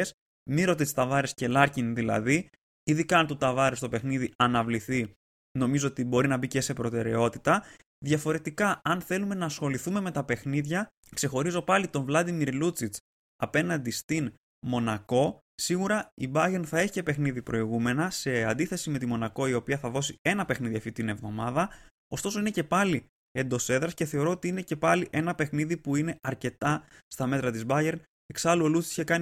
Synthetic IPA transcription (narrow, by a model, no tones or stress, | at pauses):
es | miɾo̞t̪ist̪ɐvɐɾesce̞lɐɾcinðilɐ̰ði | iðikɐnt̪ut̪ɐvɐɾest̪o̞pe̞xniðiɐnɐvliθi | no̞mizo̞ot̪ibo̞ɾinɐbice̞se̞pɾo̞t̪e̞ɾe̞o̞t̪it̪ɐ | ðʝɐfo̞ɾe̞t̪ikɐɐnθe̞lume̞nɐsxo̞liθume̞me̞t̪ɐpe̞xniðʝɐ | kse̞xo̞ɾizo̞pɐlit̪o̞ɱvlɐd̪imiɾlut͡sit͡s | ɐpe̞nɐnd̪ist̪in | mo̞nɐko̞ | siɣuɾɐibɐʝe̞ɾnθɐe̞çice̞pe̞xniðipɾʔo̞iɣume̞nɐse̞ɐnd̪iθe̞sime̞t̪imo̞nɐko̞io̞piɐθɐðo̞sie̞nɐpe̞xniðiɐft̪it̪ine̞vðo̞mɐðɐ | o̞st̪o̞so̞ine̞ce̞pɐli | e̞nd̪o̞se̞ðɾɐsce̞θe̞o̞ɾo̞ot̪iine̞ce̞pɐliʔe̞nɐpe̞xniðipuine̞ɐɾce̞t̪ɐst̪ɐme̞t̪ɾɐt̪izbɐʝe̞ɾn | eksɐluolut͡si̥çekɐni